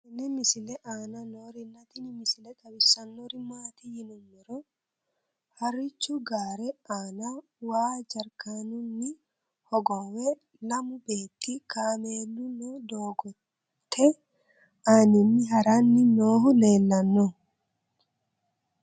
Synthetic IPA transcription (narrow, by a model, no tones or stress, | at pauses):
ɛnːɛmɪsɪlɛʔaːnɐnoɾɪnːɐt̪ɪnɪmɪsɪlɛt̪ɐbɪsːɐnːoɾɪmaːt̪ihɪnʊmːɪɾɔ | hɐrɪt͡ʃːʊɡaːɾɛʔaːna | waːd͡ʒɐɾkanʊnːɪ | hɔɡɔwɛ | lɐmʊbeːt̪ːɪkʰaːmeːlːʊnɔd̪oːɡɔt | t̪ʰːɛ | aːnɪnːɪɦɐɾanːɪnoːɦʊleːlːɐnːɔ